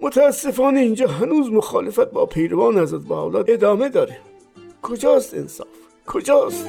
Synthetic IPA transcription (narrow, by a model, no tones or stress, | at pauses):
mot̪ʰæːsːefɑːneind͡ʒɒːɦænuːzmoxɑːlefæt̪̚bɒ̰ːpʰejɾovɑːneæzɾæt̪̚bɑhːlɑ̰ːed̪ɒːmed̪ɒːɾe | kʰod͡ʒɑːst̪ḛnsɑ̰ːf | kʰod͡ʒɑːst̪